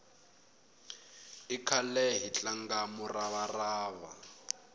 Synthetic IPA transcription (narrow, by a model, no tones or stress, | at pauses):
ikʰalɛɦit͡ɬaŋɡamuraβaraːβa̰